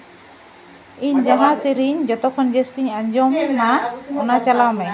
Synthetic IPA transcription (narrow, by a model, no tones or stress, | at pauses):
iɲd͡ʒaɦãsiɾiɲd͡ʒɔt̪ɔkʰːɔnd͡ʒɛst̪iɲaɲd͡ʒɔmnaɔnat͡ʃalawmɛ